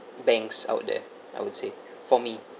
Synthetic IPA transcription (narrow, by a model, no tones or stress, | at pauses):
bɛ̃ŋksa̰ʊt̚dɛ̰ | ajwʊdse | fɔmi